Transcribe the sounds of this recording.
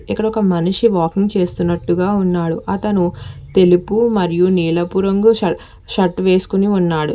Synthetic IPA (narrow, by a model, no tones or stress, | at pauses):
ikːɐɽɐɔkɐmɐniʂiʋaːkiŋɡt͡ʃe̞ːst̪unːɐʈːuɡaːunːaːɽuʔɐt̪ɐnut̪e̞lipumɐɾijuniːlɐpuːɾɐŋɡuɐ | ʃɐʈːʋe̞ːsu̥kuniunːaːɽṵ